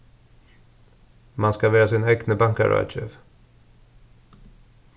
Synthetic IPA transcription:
manskavɛːɾasɪnɛɡnəbaŋka̰ɾa̰t͡ʃɛv

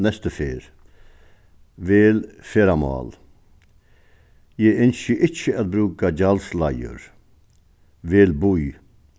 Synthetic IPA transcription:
nɛst̪əfeːɾ | ʋeːlfɛːɾamɑ̰ːl | jɛːɪnsəʔɪt͡ʃːəæð̚bɾʉːkad͡ʑalslajə̰ɾ | ʋelbuj

